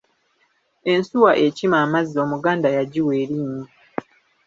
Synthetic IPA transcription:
e̞nsuwaʔe̞cimaːmazio̞ːmuɡaːndajaɟiwe̞ːɾiːɲi

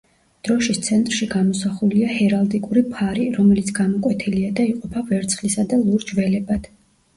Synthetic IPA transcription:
d̪̥ɾɔʃist̪sʰɛnt̪ʼɾʃiɡamɔsaχuliahɛɾalˠd̪ikʼuɾipʰaɾiɾɔmɛlit̪sʰɡamɔkʼwɛt̪ʰiliad̪aiqʼɔpʰavɛɾt̪sʰχlisad̪alˠuɾd͡ʒvɛlɛbad̪̥

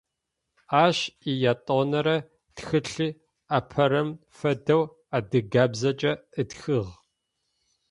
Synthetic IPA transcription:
aːʃijaːtʼoːnɐɾɐ | txɨɬɨ | apʰɐɾɐm | fɐdɐw | aːdɨɡaːbzɐt͡ʃʼɐɨtxɨʁ

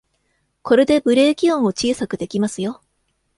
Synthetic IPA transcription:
ko̞ɾe̞d̪e̞bɯ̟ɾe̞ːkʲiõɰ̃o̞t͡ɕiːsakɯ̟d̪e̞kʲimasɨjo̞

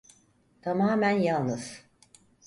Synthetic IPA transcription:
t̪ʰamaːmænjalˠnɯz̥

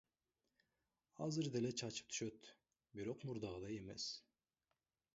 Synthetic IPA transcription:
hazɯɾd̪elɛt͡ʃʰɑt͡ʃʰɯ̥p̚t̪ʰy̥ʃøt̪ | biɾoqmuɾd̪ɑʁɯd̪ɑjemɛs

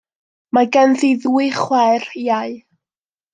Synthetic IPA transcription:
maɡɛnðiðwɨχwɛriaɨ

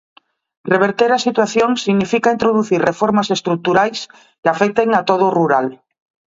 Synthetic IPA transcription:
reβeɾt̪eɾasit̪waθjõŋsiɣnifikaint̪ɾoðuθiɾrefoɾmasest̪ɾuk̚t̪uɾajs | kafek̚t̪eŋat̪oð̞oruɾal

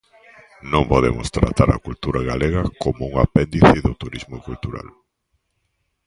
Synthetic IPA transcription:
nõŋpoðḛmo̰st̪ɾa̰t̪aɾɐ̰kult̪uɾaɣaleɣɐkomouŋapɛnd̪iθɪðot̪uɾizmokult̪uɾa̰l

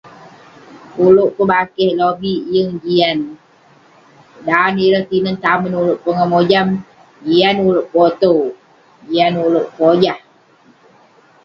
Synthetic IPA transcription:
uloʔkəbakɛhlobijəŋd͡ʒian | daniɾəht̪inənt̪amənuloʔpəŋamod͡ʒam | d͡ʒianuloʔpot̪o | d͡ʒianuloʔpod͡ʒah

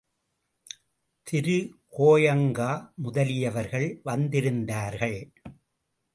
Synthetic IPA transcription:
t̪ʰɪɾɯkoːjɐŋɡaːmʊðɐlɪjɐʋɐɾɣɐɭʋɐnd̪ɪɾɯnd̪aːɾɣɐɭ

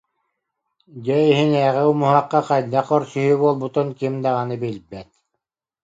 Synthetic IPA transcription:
d͡ʑɛiɦinɛːʁɛumuɦaqːaqajd̪aqɔɾsyɦybuɔlˠbut̪unkimd̪aʁanɯbilʲbɛt̪̚

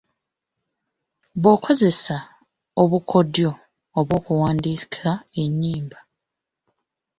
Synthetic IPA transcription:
βoːkʰo̞ze̞sa | oβukʰo̞djo̞ː | βwo̞ːkuwaːndikiae̞ɲːiːmba

